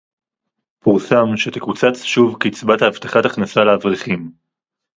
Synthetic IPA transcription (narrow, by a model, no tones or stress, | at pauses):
puʁsamʃet̪ekut͡sat͡sʃuvkeːt͡sbat̪ahːv̥t̪aχataχnasaleavʁiχim